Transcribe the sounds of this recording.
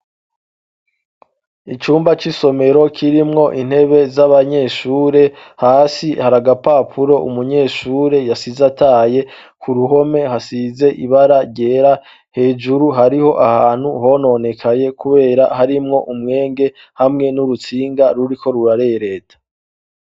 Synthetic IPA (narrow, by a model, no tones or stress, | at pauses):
it͡ʃuːmbat͡ʃiso̞me̞ɾo̞kʰiɾimŋo̞ʔin̥he̞βe̞zaβaɲe̞ʃuːɾe̞haːsihaɾaɡapaːpʰuɾo̞ʔṵmuɲe̞ʃuːɾe̞jasizataːje̞ | kʰuɾuɦo̞me̞ɦasize̞ʔiβaɾaɾɟe̞ːɾa | he̞ːd͡ʒuɾuɦaɾiho̞ʔahaːn̥huɦo̞no̞ne̞kʰaɲe̞kʰuβe̞ːɾahaɾimŋo̞ʔumŋe̞ːŋɡe̞ | hamŋe̞nuɾut͡siːŋɡaɾuɾikʰo̞ɾuɾaɾejɾe̞ːtʰḁ